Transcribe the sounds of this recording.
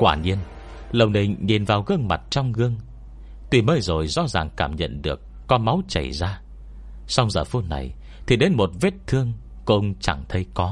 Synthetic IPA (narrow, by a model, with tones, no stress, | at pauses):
kwaː˧˩ɲi˧ən | lə˨˩wni˨˩ŋɲi˨˩nvaː˨˩wɣɨ˧əŋma˨˩t̚t͡ɕɔ˧wŋ͡mɣɨ˧əŋ | t̪wi˨˩məː˨˦jzo˨˩jzɔ̰˧˥zaː˨˩ŋkaː˧˩mɲə̰˧˨nɗɨ˨˩əkːɔ˨˦ma˨˦wt͡ɕə̰˧˩jzaː˧ | sa˧wŋ͡mzəː˨˩fu˧na̰˨˩j | t̪ʰi˨˩ɗe˨˦nmo˨˩t̚ve˦˥t̚t̪ʰɨ˧əŋ | kʊ̰˧ŋ͡mt͡ɕa˧˩ŋt̪ʰə˨˦jkɔ˨˦